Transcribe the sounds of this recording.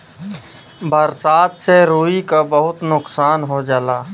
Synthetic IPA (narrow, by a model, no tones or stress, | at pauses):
bʱəɾsaːt̪seɾuːikabɐɦʊt̪nʊksaːnɦod͡ʒalaː